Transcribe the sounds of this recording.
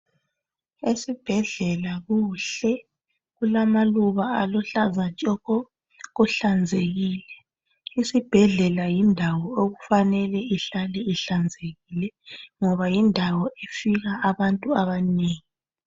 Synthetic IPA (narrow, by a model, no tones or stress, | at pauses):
esib̥ʱɛɮɛlaɣuɬɛ | ɣulamaluβaalɔɬazat͡ʃʼɔɣɔ | ɣuɬand͡zʱeɣiːlɛ | isib̥ʱɛɮɛlajindʱawɔoɣufanɛlɛiɬalɛiɬand͡zʱeɣilɛŋɔβajindʱawɔʔefiɣaːβantʼuaβaneːŋi